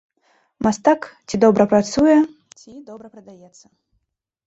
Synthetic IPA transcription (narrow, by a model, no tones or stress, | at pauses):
mast̪akt͡sʲid̪ɔbɾɐpɾat̪sujɛ | t͡sʲid̪ɔbɾɐpɾɐd̪ajɛt̪sːɐ